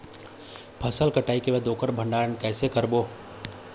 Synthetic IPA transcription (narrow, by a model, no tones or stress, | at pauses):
pʰɐsəlkɐʈaːikemɛd̪oːkəɾbʱɐ̃ɳɖaːɾənkɛːsekɐɾboː